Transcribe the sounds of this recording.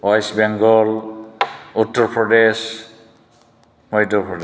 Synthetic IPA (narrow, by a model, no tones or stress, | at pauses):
wajsbɛŋɡɔl | utːɔɹpʰɹɔdes | mɔjtɔpʰɹɔde